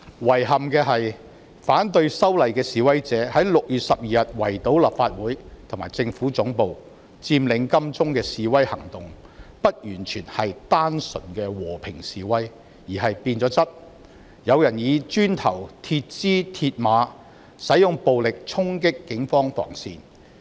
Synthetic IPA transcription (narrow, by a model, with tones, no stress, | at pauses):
wɐ˨˩jɦɐ˨mkɛː˧ɦɐ˨j | faː˨˥nt̪ɵ˧ɥsɐ˥wlɐ˨jkɛː˧siː˨wɐ˥jt͡sɛː˨˥hɐ˨˥jlʊ˨k̚jyː˨t̚sɐ˨p̚jiː˨jɐ˨t̚wɐ˨˩jt̪o˨˥wla̰˨p̚faː˧t̚wuː˨˥jt̪ʰʊ˨ŋmaː˨˩jt͡sɪ˧ŋfuː˨˥t͡sʊ˨˥ŋpo˨w | t͡siː˧mlɪ˨˧ŋkɐ˥mt͡sʊ˥ŋkɛː˧siː˨wɐ˥jhɐ˨˩ŋt̪ʊ˨ŋ | pɐ˥t̚jyː˨˩nt͡ʃʰyː˨˩nhɐ˨jt̪aː˥nsɵ̰˨˩nkɛː˧wɔː˨˩pʰɪ̰˨˩ŋsiː˨wɐ˥j | jiː˨˩ɦɐ˨jpiː˧nt͡sɔː˨˧˥t͡sɐ˥t̚ | jɐ˨˧wjɐ˨˩njiː˨˧t͡ʃyː˥nt̪ʰɐ˨˩wt̪ʰi˧t̚t͡siː˥t̪ʰiː˧t̚maː˨˧˥ | sɐ˨˥jjʊ˨ŋpo˨wlɪ˨k̚t͡sʰʊ˥ŋkɪ˥kːɪ˨˥ŋfɔː˥ŋfɔ̰ː˨˩ŋsḭː˨n